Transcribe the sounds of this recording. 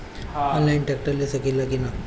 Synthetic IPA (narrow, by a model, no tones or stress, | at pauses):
aɔnlainʈɛk̚ʈəlesəkillakina